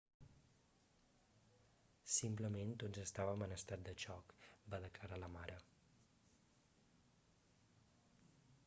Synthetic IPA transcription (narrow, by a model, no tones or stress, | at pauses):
simpləment̪onzəst̪aβəmənəst̪at̪̚d̪ət͡ʃɔkbaðəkləɾaləmaɾə